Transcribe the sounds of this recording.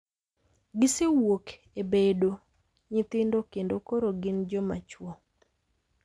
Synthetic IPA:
ɡɪsewok | ebedo | ɲɪt̪ɪndokendokoɾoɡɪnd͡ʒɔma̰t͡ʃwɔ

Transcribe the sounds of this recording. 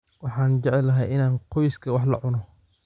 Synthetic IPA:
wɑħɑːnd͡ʒɛʕɛlːɐɦɛjʔɪnaːnqʰɔjɪskʰɐwɑħlɐ̰ʕʊnɔ

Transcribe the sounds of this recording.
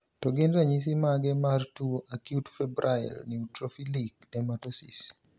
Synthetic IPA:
tɔɡɪndɾaɲis̬imaɡɛmartuakjutfɛbɾʔaj̰lniutɾofilik̚dɛmatɔsis

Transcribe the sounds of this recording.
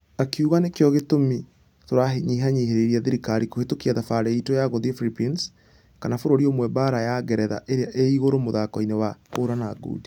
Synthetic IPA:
akuɣanekjɔɣetomi | toɾaɦeɲiɦaɲeɦeɾeɾiaðiɾikaɾikohetokiaðafaɾɛitojaɣoðiefilipins | kanafoɾoɾiomwɛbaɾajaɡɛɾɛða̰ʔeɾeaʔeiɣoɾomoðakɔinewaoːɾanaːɡṵdi̥

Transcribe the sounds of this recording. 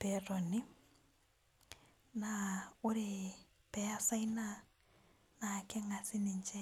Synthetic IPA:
pɛrɔnɪ | naʊɾɪ | pɛjasaina | nakɛŋasɪnɪnt͡ʃɛ

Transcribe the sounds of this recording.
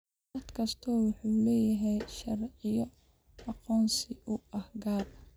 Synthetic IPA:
ɐd̪kʰɐst̪ʰɔːwɑħuːlɛːjɐɦɛjʃɐrʕɪjɔ | ɑqɔːnsɪʔʊɐhɡaːr

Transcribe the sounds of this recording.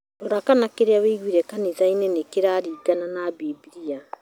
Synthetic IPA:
ɾoɾakanakeɾeaweiɣwiɾɛkaniðainɛnekeɾaːɾiːɡananabibiɾia

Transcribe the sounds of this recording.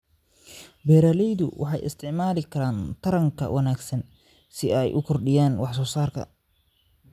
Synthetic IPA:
bɛːɾaːlɛjðʊ̰wʔɑ̰ħɑjʔɪ̰st̪ʰɪʕmaːlɪkʰɐɾaːnt̪ʰɐɾɐŋkʰɐ̰wʔɐnaːɡsɐn | sɪɛjʔʊkʰɔrɖɪjaːnwɑħsɔːsaːrkʰɐ̰

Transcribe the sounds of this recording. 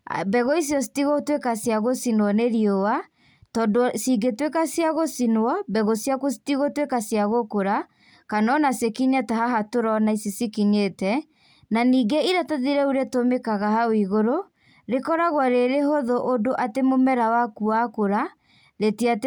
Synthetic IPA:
bɛɣoisjɔsi̥tiɣotwekasjaɣosinwɔneɾiowa | tɔdosiɡetwekasjaɣosinwɔbɛɣosjakosi̥tiɣotwekasjaɣokoɾa | kanɔnasekiɲatahaɦatoɾɔnaisisikiɲetɛ | naniːɡeiɾataðiɾɛuɾetomekaɣahawiɣoɾo | ɾekɔɾaɣwaɾeɾeɦoðoʔodoʔatemomɛɾawakuakoɾa | ɾetiat

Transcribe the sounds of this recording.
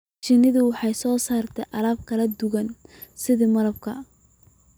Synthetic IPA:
t͡ʃɪnɪðʊwɑħɑjsɔːsaːrt̪ʰɛjʔɑlaːb̚kʰɐlɐd̪ʊɣɐn | sɪðɪmɐlɐb̚kʰɐ

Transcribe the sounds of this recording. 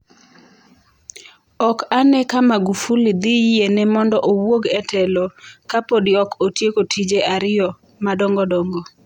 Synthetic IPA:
ɔkanɛkamaɡufulid̪ijenɛmɔndɔʔowwoɡɛtʰɛlɔkapodiɔkotjekotʰid͡ʒeʔaɾɪjɔ | madɔŋɡɔdɔŋɡɔ

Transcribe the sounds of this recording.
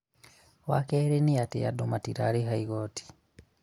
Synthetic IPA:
wakɛɾeniatḛja̰domatiɾa̰ɾeɦaiɣoːtʰi̥

